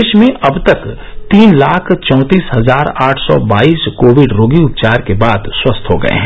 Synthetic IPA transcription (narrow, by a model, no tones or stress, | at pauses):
ʃmẽʔɐbt̪ɐk | t̪iːnlaːkʰt͡ʃɔ̃ːt̪iːsɦɐzaːɾaːʈʰsɔ̰baːiːskoːʋɪɖɾoːɡiʊp̚t͡ʃaːɾkebaːd̪swɐst̪ʰɦoɡɐ̰ḛɦɛ̃